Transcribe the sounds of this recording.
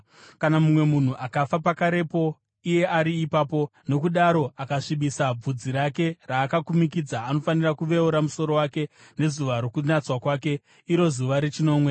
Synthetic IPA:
kanamumwe̞mun̤uʔakafapakaɾe̞po̞ | ije̞ʔaɾiːpaːpo̞no̞kuɗaɾo̞akaʂiɓisab͡vud͡ziɾake̞raːkakumik̬id͡zaːno̞fanirakuʋe̞uɾamuso̞ɾo̞wake̞ | ne̞zuʋaɾo̞kunat͡swakwaːk̬e̞ | iɾo̞zuʋaɾet͡ʃino̞ːmwe̞

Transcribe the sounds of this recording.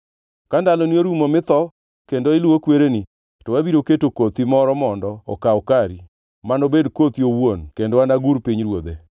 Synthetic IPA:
kandalɔnioɾumomɪt̪ɔ | kendoɪluokweɾeni | tɔwabiɾoketokot̪imɔɾɔmɔndɔɔ̰kaɔkaɾi | manobedkot̪iowwonkendoanaɡuɾpiɲɾwod̪e

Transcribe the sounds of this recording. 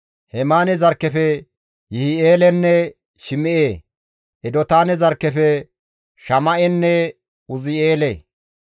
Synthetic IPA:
hɛmaːnɛzɐɾkːɛfɛ | jɪhɪeːlɛnːɛ | ʃɪmɪʔeː | ʔɛd̪ɔt̪aːnɛzɐɾkːɛfɛ | ʃɐmɐʔɛnːɛ | ʊzɪeːle

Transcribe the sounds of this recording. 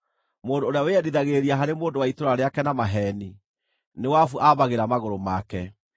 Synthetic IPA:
moːndoːɾeaweɛdiðaɣeɾiaɦaɾemoːndowaitoɾaɾeakɛnamaɦɛːni | newafuʔaβaɣeɾamaɣoɾomakɛ

